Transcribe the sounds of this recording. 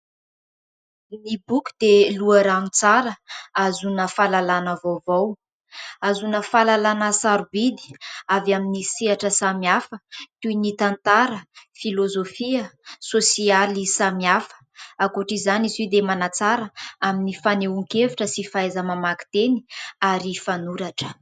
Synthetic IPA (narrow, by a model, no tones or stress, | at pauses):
nibuku̥d̪eluəɾanut͡saɾəazunəfalalanavowvaw | azunəfalalanasaɾubid̪i̥avaminisiaʈ͡ʂəsamiafət̪unit̪ant̪aɾəfilozofiəsosialisamiafə̥akoʈ͡ʂizanizid̪emanat͡saɾəaminifaneuŋkevuʈ͡ʂəsifaezəmamaki̥t̪eni̥aɾifanuɾaʈ͡ʂə̥